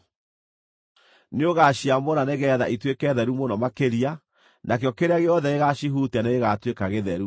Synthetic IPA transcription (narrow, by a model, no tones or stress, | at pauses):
neoɣaɕiamonaneɣɛðaʔitwekɛðɛɾumonɔmakeɾia | nakeɔkeɾaɣeɔðɛeɣaʃiɦutaneeɣatwekaɣeðɛɾu